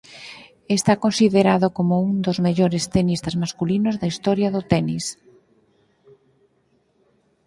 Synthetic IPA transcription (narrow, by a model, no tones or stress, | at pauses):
est̪akonsiðeɾaðokomʊuŋd̪ozmeʎoɾest̪enist̪ɐzmaskulinʊzðɐist̪ɔɾjaðʊt̪ɛnis